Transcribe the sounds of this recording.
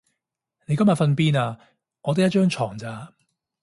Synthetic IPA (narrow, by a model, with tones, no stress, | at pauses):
ne˨˧jkɐ˥mja˨tfɐ˧npiː˥naː˧ | ŋɔː˨˧t̪e˨˥jɐ˥t̚t͡ʃœː˥ŋt͡ʃʰɔː˨˩ŋt͡saː˧